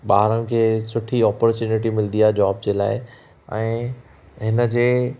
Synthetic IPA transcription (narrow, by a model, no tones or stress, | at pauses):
ɓaːɦɾənɪ̆kʰeːsʊʈʰiɔːpɔɾt͡ɕuːnɪʈ̬imɪld̪ijad͡ʑɔːb̚d͡ʑeːla̰ːɪ | ɛ̃ː | ɦɪnə̆d͡ʑeː